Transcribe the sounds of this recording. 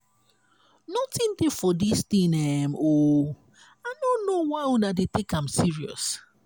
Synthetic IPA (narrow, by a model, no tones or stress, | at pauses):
nɔtĩndefɔdistĩnɛmo | aɪnõnːowaɪɔ̃nadetekãmsiɹiɔ̰s